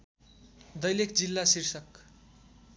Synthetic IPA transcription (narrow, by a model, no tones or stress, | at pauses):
d̪ʌjlekd͡zilːasirsʌk